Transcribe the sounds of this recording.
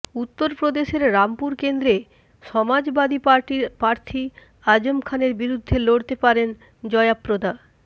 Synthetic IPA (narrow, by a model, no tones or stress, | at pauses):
ut̪ːoɾpɾod̪eʃeɾɾampuɾkend̪ɾe | ʃɔmad͡ʑbad̪iʈpaɾt̪ʰi | ad͡ʑomkʰaneɾbiɾud̪ʱːeloɽt̪epaɾen | d͡ʑɔeapːɾod̪a